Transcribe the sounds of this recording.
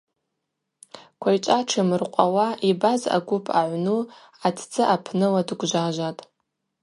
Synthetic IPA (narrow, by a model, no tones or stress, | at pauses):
kʷʰajt͡ʃʷʼaʈ͡ʂʰɨmɨrqʷʼawaʔibaza̰ɡʷʊpʰaʕʷnu | atʰt͡sʼɨʔapʰnɨladɡʷʒʷaʒʷatʼ